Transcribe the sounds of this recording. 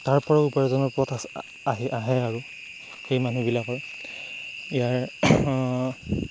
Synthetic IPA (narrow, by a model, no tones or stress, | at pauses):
taɹpɔɹaupɔɹɛzɔnɔɹpɔtas | aɦiʔaɦɛaɹu | xejmanubilakɔɹ | ijaɹ